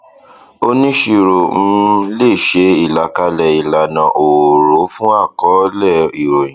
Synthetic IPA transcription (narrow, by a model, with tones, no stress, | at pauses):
o˦nĩ˦ʃi˧ɾõ˨˦le˦˨ʃe˨˦i˦˨la˨ka˧˦lɛ˧˨i˨la˨nã˨ʔo˨ɾo˨˦fũ˦a˦˨kɔ˨˦lɛ˦˨i˨ɾo˨j̃ĩ˨